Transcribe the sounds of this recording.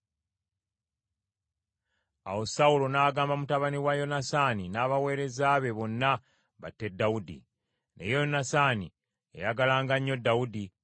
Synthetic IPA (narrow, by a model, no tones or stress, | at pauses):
a̰wo̞saulo̞naːɡaːmbamutaβaniwajo̞nasaninaːβawe̞ːɾe̞zaːβe̞βo̞nːa | βa̰tːe̞daudḭ | ne̞̰jonasani | ḛjaɡalaːŋɡaɲːo̞dawudi